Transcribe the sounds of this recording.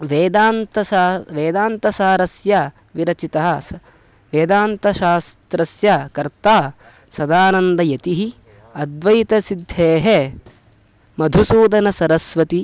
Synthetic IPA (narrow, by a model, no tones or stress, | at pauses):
ʋeːd̪aːnt̪ɐʋeːd̪aːnt̪ɐsaːɾɐsjɐ | ʋiɾɐt͡ʃit̪ɐɦɐ̆ | ʋeːd̪aːnt̪ɐʃaːst̪ɾɐsjɐkɐɾt̪aː | sɐd̪aːnɐnd̪ɐjɐt̪iɦi | ɐd̪ʋɐjit̪ɐsid̪ʱːeːɦe | mɐd̪ʱusuːd̪ɐnɐsɐɾɐsʋɐt̪i